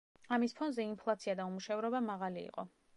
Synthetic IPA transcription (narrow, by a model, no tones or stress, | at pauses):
amispʰɔnzɛimpʰlˠat̪sʰiad̪aumuʃɛvɾɔbamaʁalḭːqʼɔ